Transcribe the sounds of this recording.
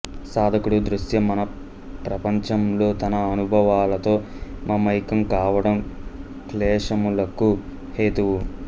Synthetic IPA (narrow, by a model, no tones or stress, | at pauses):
saːd̪ʱɐkuɽud̪ɾuʃjɐmɐnɐ | pɾɐpɐɲt͡ʃɐmlo̞ːt̪ɐnɐːnubʱɐʋaːlɐt̪o̞ː | mʔɐmɐjkɐmkaːʋɐɽɐm | klɛːʂɐmulɐku | heːt̪uʋu